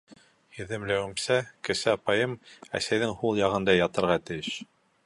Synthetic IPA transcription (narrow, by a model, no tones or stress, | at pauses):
jɘ̆ðɘ̆mlæwɘ̆msækɘ̆sɘɑpɑjɤmæ̰sæjðɘŋhulˠjɑʁɤ̆nd̪ɑjɑt̪ɤ̆ɾʁɑt̪ɘ̆jɘʃ